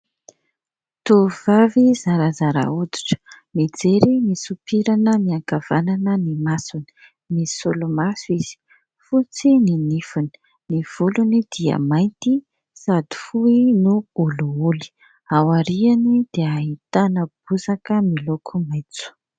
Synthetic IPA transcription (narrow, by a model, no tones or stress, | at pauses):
t̪uv̥avizaɾazaɾa̰ud̪i̥ʈ͡ʂə̥ | med͡zeɾimisupiɾanəmiaŋkav̥ananənimasuni̥ | misulumasiz̥i̥ | fut͡sininifuni̥ | niv̥ulunid̪̥iə̰majnt̪i | sad̪i̥fuinuuluuli̥ | awaɾianid̪̥eaɦit̪anəb̥̚uzakəmilokʰumajt͡su̥